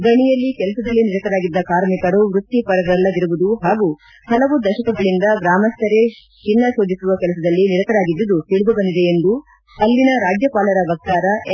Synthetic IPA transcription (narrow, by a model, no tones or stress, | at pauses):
ɡɐɳijɐlːikɛlɐsɐd̪ɐlːiniɾɐt̪ɐɾaːɡid̪ːɐkaːɾmikɐɽuʋɾut̪ːipɐɾɐɡɐɾɐlːɐd̪iɾuʋud̪uɦaːɡu | hɐlɐʋud̪ɐʃɐkɐɡɐɭind̪ɐɡɾaːmɐst̪ʰɐɾe | t͡ʃinːɐsoːd͡ʒ̪isuʋɐkɛlɐsɐd̪ɐlːiniɾɐt̪ɐɾaːɡid̪ːud̪ut̪iɭud̪ubɐnd̪id̪eend̪u | hɐlːinɐɾaːd͡ʒjɐpaːlɐɾɐʋɐk̚t̪aːɾɐ